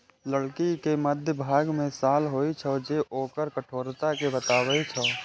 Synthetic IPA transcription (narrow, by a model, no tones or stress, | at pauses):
ləɽkikeməd̪ʱjəbʱaːɡmẽsaːlɦoːit͡ʃʰəd͡ʒeʔoːkəɾkəʈʰoːɾt̪akebət̪aːwəit͡ʃʰə